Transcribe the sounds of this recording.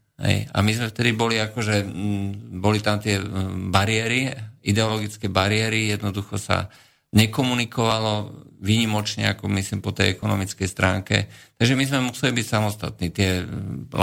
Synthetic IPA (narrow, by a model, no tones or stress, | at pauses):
ɦɛ̰ja̰mizmɛft̪ɛd̪ibɔliakɔʒɛ | bɔlit̪amt̪ɪɛbaɾiɪɛɾiid̪ɛɔlɔɡit͡skɛbaɾɪɛɾijɛd̪nɔd̪uxɔsa̰ | ɲɛkɔmunikɔʋalɔʋiɲimɔt͡ʃɲɛ̰akɔmisliːmpɔt̪ɛjɛkɔnɔmit͡skɛjst̪ɾaːŋkɛ̰t̪aɡʒɛmizmɛmusɛlibicsamɔst̪at̪̚nit̪ɪɛl